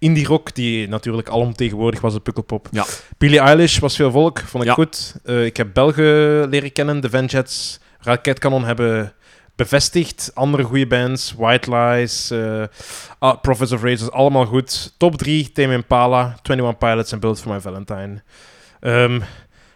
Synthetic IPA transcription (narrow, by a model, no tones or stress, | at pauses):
ɪndirɔkd̥inatyːrləkɑlɔmteːɣənʋʊːrdɪxʋɑsəpɵkəlˠpɔpb̥ɪliajlɪʃʋɑsfeːlˠvɔlˠəkfɔntɪkxutəɪkɦɛp̚bɛlˠɣiəleːrəkɛnəndəvɛnd͡ʒɛts | rakɛtkanɔnɦɛbə | b̥əvɛstɪxtɑndərəɣujəbɛntswajtlajs | prɔfɛs̬ɔfrezəsɑləmaːlˠɣutːɔbdritemɪmpaːlatwɛ̃ntiwɑnpajlətsɛnbɪlˠtfɔɹmajvɛlˠəntajm | ʔəːm